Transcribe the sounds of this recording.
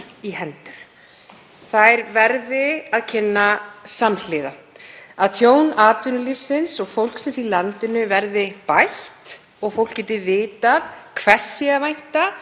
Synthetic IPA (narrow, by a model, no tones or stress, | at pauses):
iɦɛnt̪ʏɾ̥ | θajɾvɛɾðɪaðcʰɪnːasaml̥ɪːða | aðt̪ʰjoːwnaːt̪ʏnʏlifsɪnsɔɣfowl̥ksɛnsilant̪ɪnʏvɛɾðɪpajht̪ | ɔɣfowl̥kcɛːt̪ɪvɪːt̪aðkʰvɛr̥siavajn̥t̪a